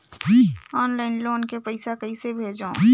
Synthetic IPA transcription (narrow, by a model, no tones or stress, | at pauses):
ɔːnlaːɪnloːnkepəɪsakəisebʱeːd͡ʒõː